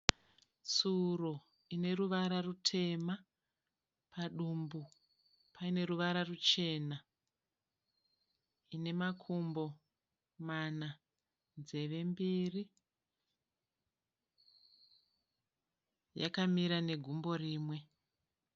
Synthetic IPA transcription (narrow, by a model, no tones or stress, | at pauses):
t͡suro | ine̞ruʋaɾarutʰe̞ma | pʰaɗumbu | paine̞ruʋaɾarut͡ʃe̞na | ine̞makʰumbo̞ | mana | nze̞ʋe̞mbiri | ja̰kamiɾane̞ɡʱumbo̞riːmwe̞